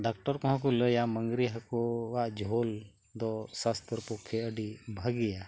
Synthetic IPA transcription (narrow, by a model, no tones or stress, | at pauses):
ɖakʈəɾkɔɦɔ̃k̬uləjaməŋɡɾiɦəkoaʔd͡ʒʱol | d̪ɔsast̪ɾpokʰːeəɖibʱəɡɛja